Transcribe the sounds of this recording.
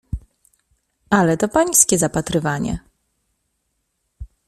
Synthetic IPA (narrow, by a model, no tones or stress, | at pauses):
alɛt̪ɔpaj̃skʲɛzapat̪ɾɘvaɲɛ̰